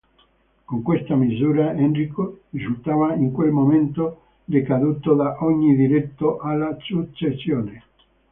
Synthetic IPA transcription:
koŋkwest̪amizuːɾaɛnrikoʒut̪aːvaiŋkwelmoment̪o | d̪ekad̪uːt̪od̪aʔɔɲːid̪iɾet̪ːoʔalːasut͡ʃːesjoːne

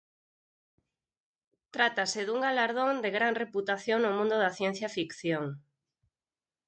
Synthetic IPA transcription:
t̪ɾat̪asɪðuŋɡalaɾð̞õŋd̪eɣɾaŋreput̪aθjoŋnomũnd̪ʊðaθjɛn̟θjafikθjoŋ

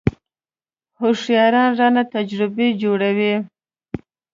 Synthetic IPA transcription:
hoʂjɑɾɑnʐɑnat̪ad͡ʒɾɪbed͡ʒoɽawi

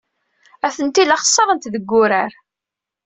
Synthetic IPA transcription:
æθənt̪ilɑχə̥sˤːəɾˤənt̪ðəɡːʊɾaɾ

